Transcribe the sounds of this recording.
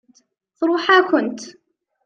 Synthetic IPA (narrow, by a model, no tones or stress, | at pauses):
θɾuːħakʊnt̪